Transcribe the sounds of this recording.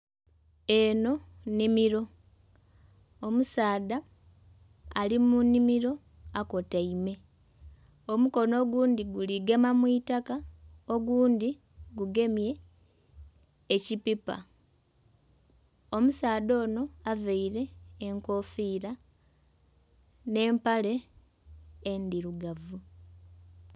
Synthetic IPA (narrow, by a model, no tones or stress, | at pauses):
e̞no̞nimiɾo̞ | omusaːda | limunimiɾo̞ | ako̞taime̞ | omuko̞no̞ːɡuːnd̪iɡuliɡe̞mamwiːtakao̞ɡuːnd̪i | ɡuɡe̞mje̞ | cipipa̰ | o̞musaːdo̞ːno̞aveiɾe̞ːŋko̞ːfiːɾa | ne̞ːmpale̞ | ndiɾuɡavu